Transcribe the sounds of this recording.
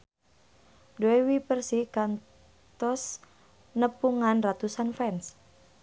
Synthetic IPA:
doɛwipərsihkan | t̪ɔs | nəpuŋanrat̪usanfɛns

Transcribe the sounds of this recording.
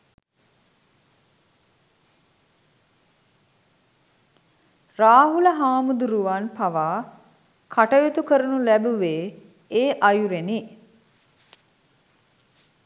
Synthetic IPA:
raːɦuləɦaːmud̪uɾuʋanpaʋaː | kʰaʈəjit̪ukəɾunulæbuʋeː | eːʔajuɾeni

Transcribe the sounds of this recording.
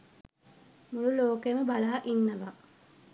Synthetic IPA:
mululoːkejməbalaːʔinːɐʋa

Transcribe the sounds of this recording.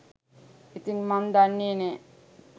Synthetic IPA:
it̪iŋmand̪anːine

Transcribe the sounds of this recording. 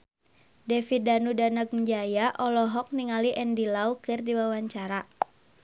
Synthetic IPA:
dɛfit̪̚danudanaɡ̚məɲd͡ʒajaʔɔlɔɦɔk̚niŋaliʔɛndilaukɨrdiwawaɲt͡ʃaɾa

